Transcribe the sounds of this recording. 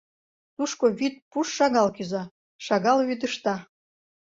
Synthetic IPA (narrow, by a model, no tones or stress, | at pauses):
t̪uʃkoβit̪̚puʃːɑɣɑlkyzɑ | ʃɑɣɑlβyd̪əʃt̪ɑ